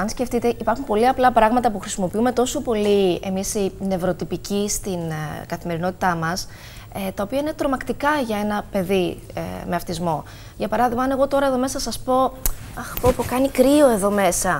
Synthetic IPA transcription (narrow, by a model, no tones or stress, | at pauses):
ɐnsce̞ft̪it̪e̞ʔipɐɾxunpo̞liɐplɐpɾɐɣmɐt̪ɐpuxɾisimo̞piume̞t̪o̞so̞po̞lie̞misine̞vɾo̞t̪ipicist̪inkɐθime̞ɾino̞t̪it̪ɐmɐs | et̪ɐopiɐine̞t̪ɾo̞mɐkt̪ikɐʝɐe̞nɐpe̞ði | ḛme̞ɐft̪izmo̞ | ʝɐpɐɾɐðiɣmɐɐne̞ɣo̞t̪o̞ɾɐe̞ðo̞me̞sɐsɐspo̞ | ɐxpopokɐnikɾio̞e̞ðo̞me̞sɐ